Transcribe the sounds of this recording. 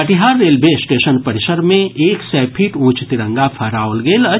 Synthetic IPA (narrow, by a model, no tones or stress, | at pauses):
əʈiɦaːɾːeːlbʱesʈeːʃənpəɾɪʃəɾmẽʔeːksɛːpʰiːʈũːt͡ʃt̪iɾə̃ŋɡapʰɐɾaːolɡeːlə